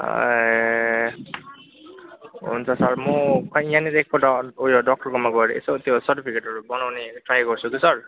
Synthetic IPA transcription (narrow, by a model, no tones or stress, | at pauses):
ɦṵnt͡sʰʌsʌrmɔkʰʌjãniɾek̚koʈaojoɖɔk̚ʈʌrkomaɡʌeɾḛsot̪josʌɾʈipʰikeʈɦʌɾubʌnawneʈrajɡʌɾt͡sʰukisʌr